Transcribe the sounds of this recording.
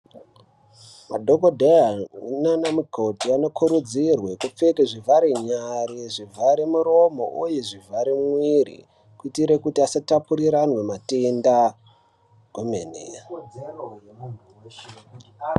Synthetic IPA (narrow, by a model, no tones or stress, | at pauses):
madʱoɡodʱeaunanamukʰo̞tiano̞kʰuɾud͡zirwe̞kup͡fekeʐivʱaɾeɲaɾiʐivʱaɾemuɾo̞mo̞̰ʔujeʐivʱaɾimwirḭ | kuitiɾekutiasatapuɾiɾanwe̞matenda | ɡomenḛ